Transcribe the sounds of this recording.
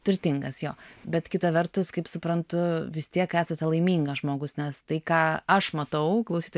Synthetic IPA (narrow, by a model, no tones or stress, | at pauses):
t̪ʊɾʲt̪ʲɪŋɡɐsjoːbʲɛt̪kʲɪt̪ɐʋʲɛrt̪ʊskɐɪpsʊpɾɐnt̪ʊʋʲɪst̪ʲiɛkæːsɐt̪ʲɛlˠɐɪmʲiːŋɡɐʒmoːɡʊsnʲɛst̪ɐɪkɑːɐʃmɐt̪ɐʊklˠɐʊsʲiːt̪